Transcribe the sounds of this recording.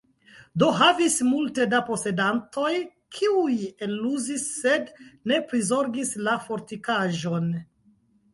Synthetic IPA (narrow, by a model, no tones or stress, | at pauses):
do̞ɦavismulte̞dapo̞se̞danto̞j | kʰiujeluzisːe̞dne̞pɾizo̞ɾɡislafo̞ɾtikaʒo̞n